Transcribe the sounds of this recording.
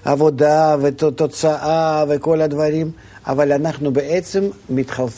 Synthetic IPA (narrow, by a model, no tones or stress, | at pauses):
a̰vod̪avet̪ot̪ot̪saʔaveko̞lɐd̪vaɾʲim | a̰valʲanaχnubeʔet̪semːʲɪt̪χalˠ